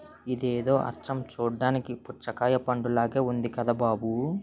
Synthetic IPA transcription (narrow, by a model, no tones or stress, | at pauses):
id̪eːd̪o̞ːʔɐ̰t͡ʃɐmt͡ʃuːɖːaːnikiput͡ʃɐkaːjɐpɐɳɖulaːɡe̞ːund̪ikɐd̪aːbaːbu